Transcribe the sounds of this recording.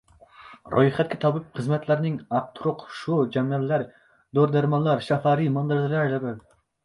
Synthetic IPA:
ɾʔo̰jχɛt̪̚kʲɛt̪ʰɑbɨp̚χɨzmɛt̪ʰlæɾnɪŋɑq̚t̪ʰuɾʊqʃud͡ʒɛmɛllːæɾ | d̪oɾd̪æɾmɑnlːˠɑɾʃɑfɑɾimɑnd̪ɨɾd̪ɨlælɛbɛl

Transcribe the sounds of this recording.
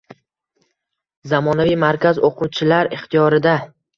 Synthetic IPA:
zamɒnavijmaɾkʲazoqʰut͡ʃʰɪlaɾɪχt̪ʰijɒɾɪd̪a

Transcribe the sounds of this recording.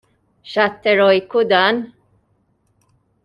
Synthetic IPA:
ʃat̪ːɛɾɔjkud̪an

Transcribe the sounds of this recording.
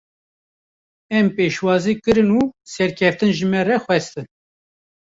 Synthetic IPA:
ɛmpeːʃwɑːzikɨɾɨnusɛɾkʰɛft̪ɨnʒɨmɛrɛxwɛst̪ɨn

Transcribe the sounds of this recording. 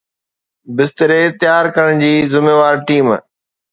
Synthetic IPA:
bɪst̪əɾet̪jaːɾkɐɾəɽ̃d͡ʑiːzɪmeːʋaːɾʈiːm

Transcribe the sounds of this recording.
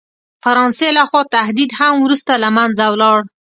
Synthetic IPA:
faɾɑnselaxwɑt̪ahd̪id̪hamwɾust̪alamanzawlɑɽ

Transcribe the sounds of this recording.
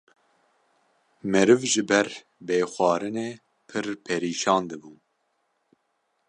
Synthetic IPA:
mɛɾɨvʒɨbɛɾ | beːxʷɑːɾɨneː | pʰɨɾpʰɛɾiːʃɑːnd̪ɨbuː

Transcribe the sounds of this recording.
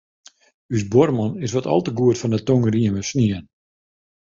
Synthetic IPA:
ysbɔrmɔnɪs̬ʋɔtɔ̰lˠtəɡuətfɔndətoŋəriənməsniən

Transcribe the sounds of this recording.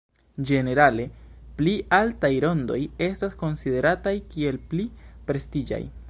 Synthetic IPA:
d͡ʒe̞ne̞ɾale̞pliʔaltajɾo̞ndo̞̰je̞stasko̞nside̞ɾatajkie̞lplipɾe̞stid͡ʒa̰j

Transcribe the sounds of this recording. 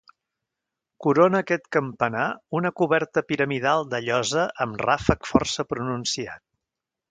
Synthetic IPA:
kuɾonəːkɛt̪kəmpənaunəkuβɛɾt̪əpiɾəmiðalˠd̪əʎɔzəʔəmrafəkfɔ̰rsəpɾununsia̰t̪̚

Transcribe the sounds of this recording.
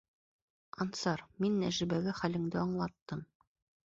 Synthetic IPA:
ɑnsɑɾminːæʒɘ̆bæɡɘχælɘ̆ŋd̪ɘɑɴlˠɑt̪ːɤm

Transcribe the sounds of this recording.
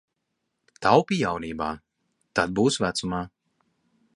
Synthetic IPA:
t̪awpijawniːba̰ː | t̪ad̪̚buːsvæt̪sumaː

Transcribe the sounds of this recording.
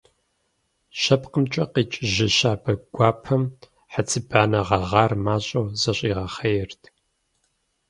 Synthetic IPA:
ʃɐpqəmt͡ʃʼɐqiːt͡ʃʼʒɪʃaːbɐɡʷɑːpʰɐm | ħət͡sʰɨbaːnɐʁɐʁɑːrmaːɕʼɐwzɐɕʼiːʁɐχɐjɛrtʰ

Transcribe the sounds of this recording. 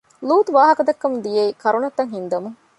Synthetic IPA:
luːt̪uʋaːɦɐkɐd̪ɐkːɐmd̪ijeikɐɾunɐt̪ːɐŋɦind̪ɐmuŋ

